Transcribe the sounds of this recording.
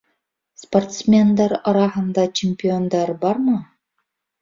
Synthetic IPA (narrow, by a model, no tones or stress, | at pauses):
sport̪smʲend̪ɑɾɑɾɑɦɤ̆nd̪ɑt͡ɕʰemʲpʲiond̪ɑɾbɑɾmɤ